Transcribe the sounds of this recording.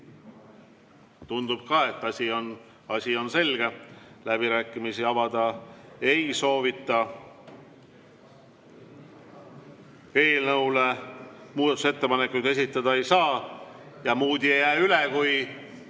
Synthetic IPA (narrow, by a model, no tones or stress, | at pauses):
t̪und̪̥ub̥̚kɑːe̞t̪ːˑɑsʲion | ɑsʲio̞nse̞lɡ̥e̞læbiɾæːkːˑimisiɑvɑd̪ɑe̞jso̞ːvit̪ˑːɑ | e̞ːlnɤwlemuːd̪ɑt̪ːuset̪ːe̞pɑnekːˑujd̪e̞sit̪ːˑɑd̪ɑe̞jsɑːjɑmuːd̪iejæːylekuj